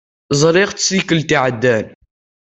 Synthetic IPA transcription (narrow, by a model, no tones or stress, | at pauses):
zˤɾiʁt͡ssikəlt̪iʕəd̪ːæn